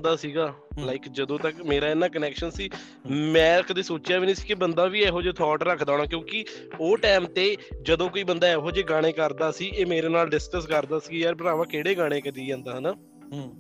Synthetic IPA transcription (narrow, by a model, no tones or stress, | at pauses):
d̪aːsiːɡaːlaːɪkd͡ʒəd̪õːt̪əkmeːɾaːɪnːãːkənɛːkʃənsiː | mɛ̃ːkd̪eːsoːt͡ʃjaːʋiːnĩːsiːkɪbənd̪aːʋiːɛːɦoːd͡ʒeːt̪ʰɔːʈɾəkʰd̪aːɽ̃aːkjõːkɪ | oːʈɛːmt̪eːd͡ʒəd̪õːkoːiːbənd̪aːɛːɦoːd͡ʒeːɡãːɽ̃eːkəɾd̪aːsiːʔeːmeːɾeːnaːlɖɪskəskəɾd̪aːsiːɡiːaːɾbəɾaːʋaːkeːɽeːɡãːɽ̃eːkət̪iːd͡ʒãːnd̪aːɦnaː